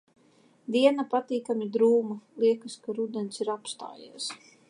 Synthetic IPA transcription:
d̪iɛnapat̪iːkamid̪ɾuːmulˠiɛkɨskaɾud̪ɛnsiɾapst̪a̰ːjḭɛs

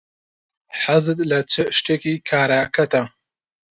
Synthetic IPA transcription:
ħazɨd̪lɐt͡sʰɨʃʈekikʰaːɾaːkɐt̪ɐ

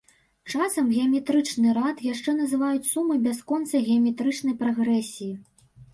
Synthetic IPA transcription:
t͡ʂasɐmɣʲɛɐmʲɛt̪ɾɨt͡ʂnɨɾat̪jaʂt͡ʂɛnɐzɨvajut͡sʲsumɨbʲaskɔnt̪sɐɣʲɛɐmʲɛt̪ɾɨt͡ʂn̪ɐjpɾaɣɾɛsʲiji

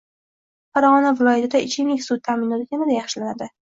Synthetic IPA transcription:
faɾaʁɒnavɪlˠɒjat̪ʰɪd̪aɪt͡ʃʰɪnɪkʲsʊd̪̚t̪ʰamɪnɒt̪ɪkʲanad̪ajɑχʃɪlanad̪ɪ

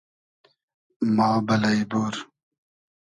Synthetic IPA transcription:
maːbɐlɐjboːɾ

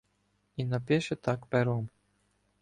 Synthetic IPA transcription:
inɐpʲɛʃɛt̪akpɛɾɔm

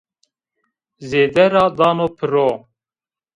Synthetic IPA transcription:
zeːd̪ɛɾɑːd̪ɑːnoːpʰɨɾoː

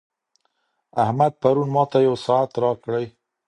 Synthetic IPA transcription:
ahmad̪̚paɾunmɑt̪ajawsɑat̪ɾɑkɽəj

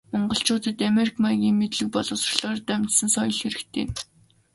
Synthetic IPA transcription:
mɔɴɢɞ̆ɬt͡ɕʊːt̪ə̆t̪ameɾikʰmajɣʲiːŋmet̪ɮɘ̆k̚pɔɮʊ̆ːsrɮ̥ɔːrt̪æm̥ʲt͡ɕ̪sə̆nsɔjɞ̆ɮxeɾɘ̆kt̪ʰḛː

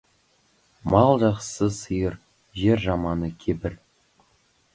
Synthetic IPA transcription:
mɑlˠʒɑqsəsəjəɾ | ʒe̞ɾʒɑmɑnəkʲʰebɪɾ

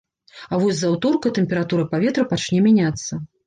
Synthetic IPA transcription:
ɐvɔsʲzɐwt̪ɔrkɐt̪ɛmʲpʲɛɾat̪uɾɐpavʲɛt̪ɾɐpat͡ʃnʲɛmʲanʲat̪sːɐ

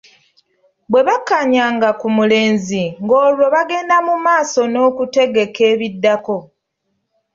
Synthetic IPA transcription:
bwe̞βakːaɲaːŋɡakumule̞ːnziŋɡo̞ːlwo̞βaɡe̞ːndamumaːso̞no̞ːkute̞ɡe̞ke̞ːβidːako̞

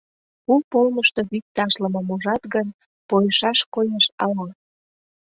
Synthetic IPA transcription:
upolməʃt̪o̽βik̚t̪ɑʃləməmoʒɑt̪ɣən | pojeʃɑʃkojeʃɑlɑ

